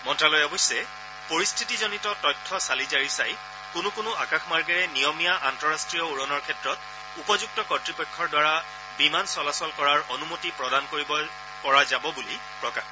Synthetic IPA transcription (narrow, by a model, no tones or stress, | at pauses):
mɔntɹalojɔbɔjsɛ | poɹistʰitizɔnitɔtɔjtʰːɔsalizaɹisaj | kʊnʊkʊnʊʔakaxmaɹɡɛɹɛnijɔmijaʔantɔɹastɹijɔuɹɔnɔɹkʰɛtɹɔt̚ | upɔzuɡ̚tɔkɔtɹipɔkʰːɔɹdwaɹa | bimansɔlasɔlkɔɹaɹonumotipɹɔdankoɹibɔ | kɔɹazabɔbuli | pɹɔkax